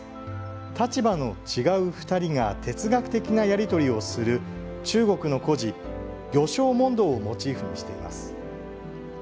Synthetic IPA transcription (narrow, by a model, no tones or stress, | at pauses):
t̪at͡ɕibano̞t͡ɕiɡaɯ̟ɸɯ̥t̪aɾʲiŋat̪ʰe̞t͡sɨɡakɯ̟̥t̪e̞kʲinajaɾʲit̪o̞ɾʲio̞sɨɾɯ̟ | t͡ɕɨːɡo̞kɯ̟no̞ko̞ʑi | ɡʲo̞ɕo̞ːmõ̞nd̪o̞ːmo̞t͡ɕiːɸɯ̟ɲ̟iɕi̥t̪e̞ḭma̰sɨ̥